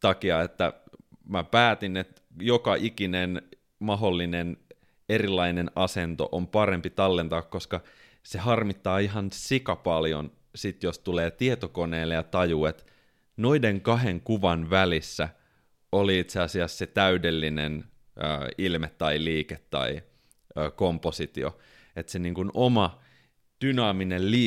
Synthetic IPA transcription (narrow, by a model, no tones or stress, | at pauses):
t̪ɑkiɑet̪ːæ̰mæpæːt̪inet̪ | jokɑʔikinen | mɑɦolːinen | erilːɑinenɑsent̪o̰ʔompɑrempit̪ɑlːent̪ɑːkkoskɑ | sehɑrmit̪ːɑːiɦɑnsikɑpɑljo̰n | sit̪jost̪uleːt̪iet̪okoneːlːejɑt̪ɑjuːet̪ | no̞ideŋkɑɦeŋkuʋɑnʋælisːæ | oliit̪seɑsiɑsset̪æydelːinen | ø̰ːilmet̪ːɑiliːket̪ːɑ̰i | øːkomposit̪io̰ | et̪seniːŋkunomɑ | d̥ynɑːminelliː